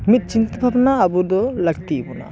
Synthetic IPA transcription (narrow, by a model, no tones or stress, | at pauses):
mit̪̚t͡ʃint̪ɐbʱɐbnaɐbud̪olɐkt̪ibuna̰